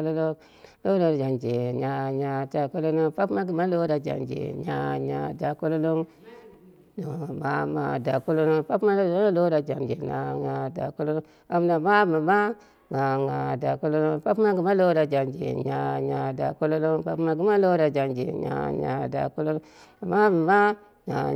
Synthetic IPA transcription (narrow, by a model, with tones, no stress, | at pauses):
lo˦lo˦ | lo˦ɾo˦˨d͡ʒa˨nd͡ʒe˨ɲa˨ɲa˨da˨ko˦lo˦no˦pa˦pma˦ɡi˨ma˦lo˦ɾa˨d͡ʒa̰˨nd͡ʒḛ˨ɲa˨ɲa˨da˨ku˦lo˦lo˦ŋ | no˨ma˦ma˨da˨ku˦lo˦no˦ŋpa˦pma˦lo˦ɾa˨d͡ʒa˨nd͡ʒḛ˨na˨ŋa˨da̰˨ku˦lo˦lo˦ | a˨m˦na˨ma˦ba˨ma˦ | ŋa˨ŋa˨da˨ko˦lo˦lo˦pa˦pma˦ɡi˨ma˦lo˦ɾa˨d͡ʒa˨nd͡ʒḛ˨ɲa˨ɲa˨da̰˨ko˦lo˦lo˦ŋpa˦pma˦ɡi˦ma˦lo˦ɾa˨d͡ʒa˨nd͡ʒḛ˨ɲa̰˨ɲa̰˨da̰˨ku˦lo˦lo˦ | a˨ma˦bi˨ma˦ | ŋa˨